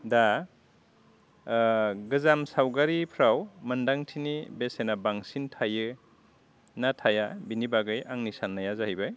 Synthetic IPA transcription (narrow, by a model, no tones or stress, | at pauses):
da | ɡɯzamsawɡaɾipʰɾawmɯndaŋtʰinibesenabaŋsintʰajɯ | natʰajabinibaɡɯjʔaŋnisanːajazahijbɯj